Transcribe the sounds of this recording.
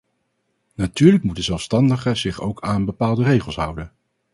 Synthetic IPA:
natyːɹlək̚mutdəzɛlˠfstɑndəχəzɪχowkʰaːnbəpaːlˠdərejχəlˠsɦʌ̰wdən

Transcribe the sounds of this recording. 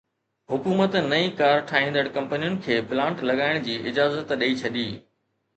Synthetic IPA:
ɦʊkuːmət̪nɐĩkaːɾʈʰaːɦĩːn̆d̪əɽkɐ̃mpənijʊnɪ̆kʰeːplãːɳʈlɐɠaːɪɽ̃d͡ʑiːʔɪd͡ʑaːzət̪ɗiit͡ɕʰɐɗiː

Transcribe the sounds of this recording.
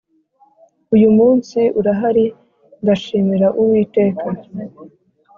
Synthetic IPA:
ujumuːnsiʔuɾaɦaɾi | ŋɡaʃiːmiɾaʔuwiːte̞ːkʰa

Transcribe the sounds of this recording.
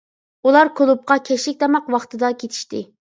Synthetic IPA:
ulˠɑɾkʰolˠup̚qɑkʲʰɛʃlɪk̚ʲd̪ɑmɑqwɑχt̪ʰɨd̪ɑkʲʰet̪ʰi̥ʃt̪ɪ

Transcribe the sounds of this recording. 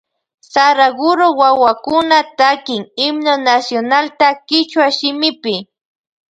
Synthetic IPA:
saɾaɡʊɾowawakʊnat̪akɪŋɪmnonasjonalt̪akɪt͡ʃwaʃɪmɪpɪ

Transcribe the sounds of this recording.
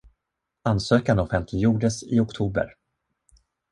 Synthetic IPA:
ansøːkanɔfɛnt̪ʰlɪɡjuːɖəsɪ̰ɔkt̪ʰuːbə̰ɾ

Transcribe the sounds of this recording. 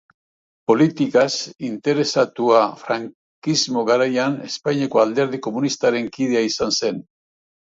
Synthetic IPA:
po̞lit̪ikasint̪e̞ɾe̞sat̪uafɾaŋ | kizmo̞ɣaɾajane̞spajɲeko̞ald̪e̞ɾðiko̞munist̪aɾe̞ŋkið̞e̞aisanse̞n

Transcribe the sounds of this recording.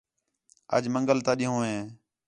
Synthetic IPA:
ə̰d͡ʒməŋɡəlt̪ãːɗiːɦõːɦẽː

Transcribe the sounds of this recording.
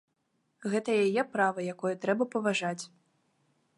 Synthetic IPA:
ɣɛt̪ɐjajɛpɾavɐjakɔjɐt̪ɾɛbɐpɐvaʐat͡sʲ

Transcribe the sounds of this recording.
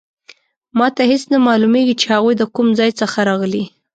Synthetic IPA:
mɑt̪ahesnamɑlumeɡit͡ʃehaɣujd̪əkumzɑjt͡səxaɾɑɣəli

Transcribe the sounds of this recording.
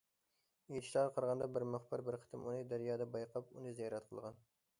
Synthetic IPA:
jet̪ɪ̥ʃlˠɑɾqʰəɾʁɑnd̪ɑbɪɾmʊχbɨɾbɪɾqʰə̥t̪ʰɪmunɨd̪æɾjɑːd̪ɑbɑjqʰɑpunɨzɛjɑɾɛt̪qʰəlˠʁɑn

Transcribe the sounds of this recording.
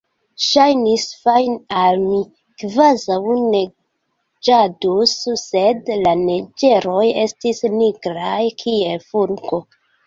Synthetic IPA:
ʃajnisfajnalmi | kvazawne̞ | d͡ʒadusːe̞dlaned͡ʒe̞ɾo̞je̞stisniɡɾajkʰie̞lfuɾɡo̞

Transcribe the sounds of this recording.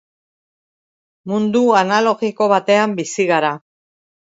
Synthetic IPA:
mund̪uanalo̞ɣiko̞βat̪e̞ambisiɣaɾa

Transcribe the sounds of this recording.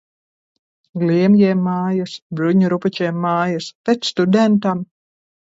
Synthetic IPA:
ɡlʲiɛmjɛːmːaːjasbɾuɲuɾupɛt͡ʃɛɛmːaːjaspet̪st̪ud̪ɛnt̪am

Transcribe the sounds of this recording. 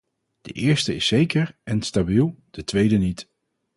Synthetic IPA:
d̥əʔɪːɹstəɪsːejkəɹɛnstabilˠd̥ətʋejdənit

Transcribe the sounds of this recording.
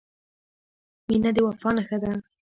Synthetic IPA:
minad̪ewafɑnaxəd̪a

